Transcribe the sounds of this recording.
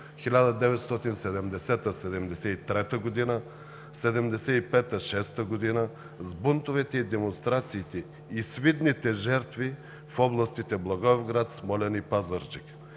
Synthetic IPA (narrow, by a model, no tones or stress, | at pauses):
xilʲad̪əd̪ɛvɛt̪st̪ɔt̪insɛd̪ɛmd̪ɛsɛt̪əsɛd̪ɛmd̪ɛsɛit̪ɾɛt̪əɡod̪inə | sɛd̪ɛmd̪ɛsɛipɛt̪əʃɛst̪əɡod̪inə | zbunt̪ovɛt̪ɛid̪ɛmonst̪ɾat̪siːt̪ɛ | isvid̪nit̪ɛʒɛɾt̪vi | fɔblˠɐst̪it̪ɛblˠɐɡɔvɡɾat̪smɔlʲɛnipazəɾd͡ʒik